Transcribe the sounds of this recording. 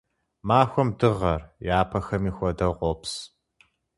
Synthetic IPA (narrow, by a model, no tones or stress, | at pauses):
maːxʷɔmdɨʁɐrjaːpʰɐxɐmiːxʷɐdɐʁʷɔps